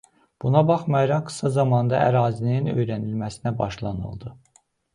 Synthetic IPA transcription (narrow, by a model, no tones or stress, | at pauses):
b̥unɑbɑχmɑjɑɾɑɡɯ̥sɑzɑmɑnd̪ɑ̰ʔæ̰ɾɑːzilininø̞̰jɾænilmæsinæbɑ̰ʃlˠɑ̰nɯ̰lˠd̪ɯ